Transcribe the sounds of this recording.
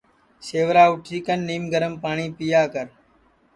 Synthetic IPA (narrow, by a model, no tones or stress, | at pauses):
seːʋɾaːʊʈʰiːkənːiːmɡəɾəmpaːɳiːpijaːkəɾ